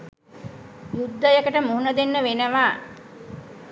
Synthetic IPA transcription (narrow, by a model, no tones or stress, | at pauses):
jud̪ːəjəkəʈəmuɦunəd̪enːəʋenəʋaː